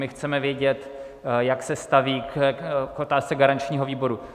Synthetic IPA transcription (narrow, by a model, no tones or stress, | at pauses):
mɪxt͡sɛmɛvjɛɟɛt̪ | jaksɛst̪aviː | kʔot̪aːst͡sɛɡaɾant͡ʃɲiːɦo̞viːbo̞ɾu